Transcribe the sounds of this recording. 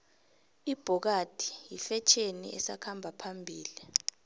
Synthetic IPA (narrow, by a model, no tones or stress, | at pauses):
ib̥ʱɔk̬ad̥ʱi̥jifɛt͡ʃʰenḭʔɛ̰sa̰kʰambʱapʰambʱiːli